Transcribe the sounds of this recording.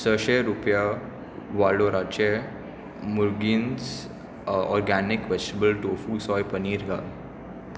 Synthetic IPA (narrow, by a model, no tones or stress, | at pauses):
səʃeɾupja | ʋaloɾat͡ʃe | muɾɡins | ɔ̰ɾɡænɪkʋed͡ʒʈəbəlʈoːfusɔːjpəniːɾɡal